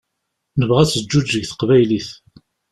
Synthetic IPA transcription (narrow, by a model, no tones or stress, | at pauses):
nəvʁæt͡sːəd͡ʒːud͡ʒːəɡθə̥qvæjliθ